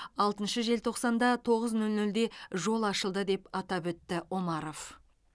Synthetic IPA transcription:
ɑlˠt̪ənʃəʒe̞lt̪ʰo̞qsɑnd̪ɑt̪ʰo̞ʁəznɵlnɵld̪e̞ʒo̞lˠɑʃəlˠd̪əd̪e̞pɑt̪ɑpwɵt̪ːɪo̞mɑɾo̞f

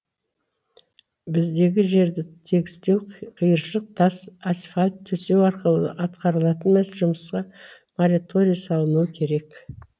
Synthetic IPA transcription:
bɪzd̪e̞ɡʲɪʒe̞ɾd̪ɪt̪ʰe̞ɡʲɪ̥st̪e̞wqʰəjəɾʃəq̚t̪ʰɑsasfalʲt̪ʰːɵse̞wɑɾqəlˠə̰ʔɑt̪qɑɾəlˠɑt̪ənmesʒʊməsqɑ | moɾʲit̪ʰo̞ɾʲijasɑlˠənuwəkʲʰe̞ɾe̞k

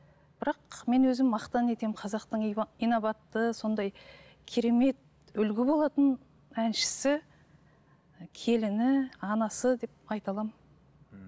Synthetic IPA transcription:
b̥ɪɾɑqme̞nwɵzɪmːɑqt̪ɑne̞t̪e̞mqʰɑzɑqt̪əɴijnovɑt̪ːəso̞nd̪ɑj | kʲʰeɾe̞me̞t̪̚ | ʏlɡʲɪbo̞lˠɑt̪ən | ænʃɪ̥sɪ | kʲʰe̞lɪnɪɑnɑsəd̪e̞p̚ɑjt̪ɑlˠɑm

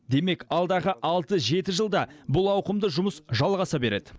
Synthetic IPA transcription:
d̪e̞me̞kɑlˠd̪ɑʁəʔɑlˠt̪əʒe̞t̪ɪʒəlˠd̪ɑbʊlˠɑwqəmd̪əʒʊməsʒɑlˠʁɑsɑbe̞ɾe̞d̪ɪ

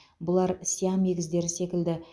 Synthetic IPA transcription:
bʊlˠɑɾsijɑmːe̞ɡʲɪzd̪e̞ɾɪse̞kʲɪld̪ɪ

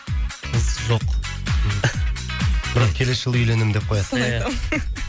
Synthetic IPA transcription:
qʰəzʒo̞q | b̥ɪɾɑqkʲʰe̞lesʒəlˠʏjle̞nɪmd̪e̞p̚qʰo̞jɑsajm

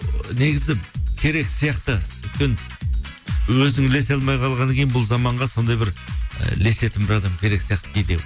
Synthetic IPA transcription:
ne̞ɡʲɪzɪkʲʰe̞ɾe̞ksijɑqt̪əʏt̪̚kʲe̞n | wɵzɪŋle̞s̬eɑlˠmɑjqʰɑlˠʁɑnkʲeɪnbʊlˠzɑmɑɴʁɑso̞nd̪ɑjbɪɾ̰le̞se̞t̪ɪmbɪɾɑd̪ɑmkʲʰe̞ɾe̞ksijɑqt̪ə̥kʰʲejd̪e

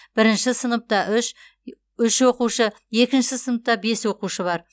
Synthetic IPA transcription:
b̥ɪɾɪnʃɪsənəp̚t̪ɑʔʏʃ | ʏʃwo̞quʃə | je̞kʲɪnʃɪsənəp̚t̪ɑbe̞swo̞quʃəβɑɾ

